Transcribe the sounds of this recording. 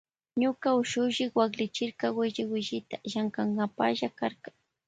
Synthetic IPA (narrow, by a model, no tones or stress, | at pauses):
ɲʊkaʊʃʊʒɪkwaklɪt͡ʃɪɾkawɪʒɪwɪʒɪt̪aʒaŋkaŋɡapaʒakaɾkḁŋ